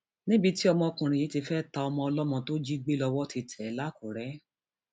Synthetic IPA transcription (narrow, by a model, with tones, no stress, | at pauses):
nĩ˦bi˧ti˦ɔ˧mɔ̃˧kũ˨ɾ̃ĩ˨ji˨˦ti˧fɛ˦ta˧ɔ˧mɔ̃˧ɔ˧lɔ˦mɔ̃˧to˦d͡ʒi˦ɡ͡be˦lɔ˧wɔ˦ti˧tʰɛ˨˦la˦ko˨ɾɛ˨˦